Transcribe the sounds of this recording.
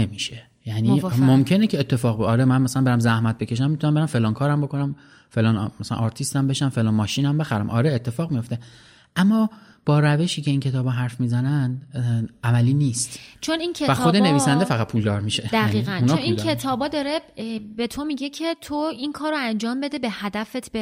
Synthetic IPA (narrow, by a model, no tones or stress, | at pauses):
nemiːʃe | jænimomcʰe̞necʰeːt̪ʰːe̞fɒːɣbɒɾemænmæsælæmbeɾæmzæhmæt̪̚becʰe̞ʃ̬æmːit̪ʰunæmbeæmfe̞lɒːnkʰɒːɾæmbo̞kʰonæm | felɒːnmæsælæ̰nʔɒɾt̪ʰist̪æmbe̞ʃæmfe̞lɒːnmɒːʃiːnæmbe̞xæɾæ̰mʔɒ̰ɾeet̪ʰːe̞fɒːɣmijo̞ft̪e̞ | ʔæmːɒː | b̥ɒːɾæve̞ʃiːce̞incʰe̞t̪ʰɒːbɒɦæɾfmiːzænænd̪ʔæmæliːniːst̪t͡ʃʰo̞nincʰeæxod̪ene̞viːsænd̪efæɣæt̪̚pʰuːld̪ɒːɾmiʃed̪æɣiːɣænunt͡ʃːoninkʰet̪ʰɒːbɒːd̪ɒːɾebe̞t̪ʰo̞miɟecʰe̞t̪ʰoinkʰɒːɾoænd͡ʒɒːmbe̞d̪ebehæd̪æfet̪ʰb